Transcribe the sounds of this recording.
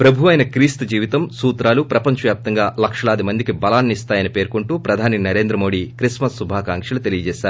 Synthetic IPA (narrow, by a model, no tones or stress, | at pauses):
pɾɐbʱuʋɐjnɐkɾiːst̪d͡ʒiːʋit̪ɐmsuːt̪ɾaːlupɾɐpɐɲt͡ʃɐʋjaːp̚t̪ɐŋɡaːlɐkʂɐlaːd̪imɐnd̪ikibɐlaːnːist̪aːjɐnipeːɾkuɳʈuːpɾɐd̪ʱaːninɐɾe̞ːnd̪ɾɐmoːɽikɾismɐsːubʱaːkaːŋkʂɐlut̪e̞lijɐd͡ʒɛːʃaːɾu